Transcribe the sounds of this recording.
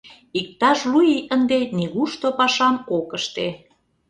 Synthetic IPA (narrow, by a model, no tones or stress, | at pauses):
ik̚t̪ɑʃlujiənd̪eniɣuʃt̪opɑʃɑmokəʃt̪e